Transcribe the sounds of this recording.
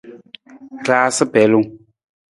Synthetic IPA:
klaː˦sɨ˦pɛ˨˦lu˦˨˦

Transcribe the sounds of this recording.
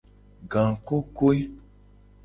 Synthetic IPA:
ɡã˨ŋ˨ko˦ko˦i˦

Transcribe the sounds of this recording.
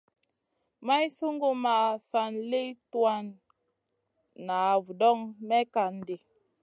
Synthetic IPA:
ma˦jsu˦ŋɡu˦ma˨sa˨nle˦twa˦n | a˨vu˨dɔ˦ŋmɛ˦ka˨n̩˨de˨

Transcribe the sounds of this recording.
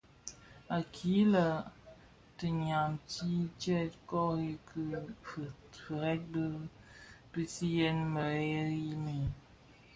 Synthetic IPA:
a˨kʰi˨˦lə˨ | tə˨ɲa˨mti˦t͡ʃɛ˦˨tkɔ˦i˦kʰɨ˦f | fə˨ɾɛ˦t̚bə˦ | pi˦si˦jɛ˦nmə˨˦ɛ˦ɣi˦mi˨

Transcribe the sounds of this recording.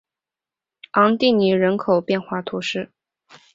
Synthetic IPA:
ɑ˧˥ŋt̪i˥˩ni˧˥ɻə˧˥nkʰo˨˩ʊpjɛ˥˧nxwa˥˩t̪ʰu˧˥ʂɻ̩˥˩

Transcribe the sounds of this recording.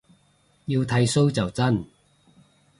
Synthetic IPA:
ji˧wt̪ʰɐ˧˥jso˥wt͡sɐ˨wt͡sɐ˥n

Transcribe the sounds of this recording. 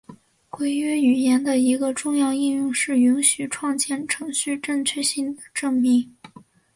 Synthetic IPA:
kwe˥˩ɪy˥y˨˩jɛ˧˥nd̪ə˧˨i˧˥ɡə˧ʈ͡ʂʊ˥˧ŋjɑ˥˧ʊi˥˧njʊ˥˧ŋʂɻ̩˥˩y˧˥nɕy˨˩ʈ͡ʂʰwɑ˥˧ŋt͡ɕjɛ˥˩nʈ͡ʂʰɤ˧˥ŋɕy˥˧ʈ͡ʂə˥˧ŋt͡ɕʰɥɛ˥˧ɕi˥˩ŋd̪ə˩ʈ͡ʂɤ˥˧ŋpi˥˩

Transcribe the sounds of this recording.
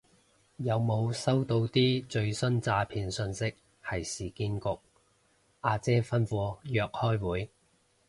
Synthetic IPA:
jɐ˨˧wmo˨˧wsɐ˥wt̪o˧wt̪iː˥t͡ʃɵ˧ɥsɵ˥nt͡saː˧pʰiː˨˧nsɵ˧nsɪ˥k̚ | hɐ˨˩jsiː˨kiː˥nkʊ˨k̚ | ʔaː˧t͡sɛː˥fɐ˥nfuː˧jœː˧k̚hɔː˥jwuː˨˥j

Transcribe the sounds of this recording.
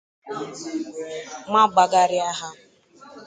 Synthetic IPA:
ma˦ɡ͡ba˨ɡa˦ɾɪ˦a˦ɦa˦

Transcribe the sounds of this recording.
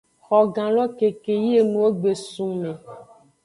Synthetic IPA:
xɔ˨ɡã˨lɔ˦ke˨ke˨ji˦e˦nũ˨wo˦ɡ͡be˨sũ˨mẽ˨

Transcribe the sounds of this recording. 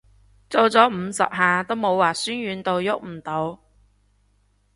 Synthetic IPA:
t͡so˨wt͡sɔː˨˥m̩˨˧sɐ̰˨p̚ɦaː˨t̪o˥wmo˨˧waː˨˩syː˥nɥyː˨˧nt̪o˧wjʊ˥k̚m̩˨˩t̪o˨˧w

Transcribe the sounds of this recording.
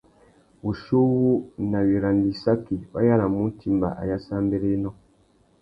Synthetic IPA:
u˨ʃu˦wu˦na˨wi˨ɾa˨ndi˨sa˦ki˨wa̰˦ja˦la˨mu˦n˦ti˨mba̰˨ʔa̰˨ja˦sa˦mbe˦le˦nɔ̃˦˨

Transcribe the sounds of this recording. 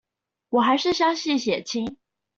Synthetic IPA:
wɔ˨˩xa˧˥ɪʂɻ̩˥˩ɕjɑ˥ŋɕi˥˩ɕjɛ˨˩t͡ɕʰi˥ŋ

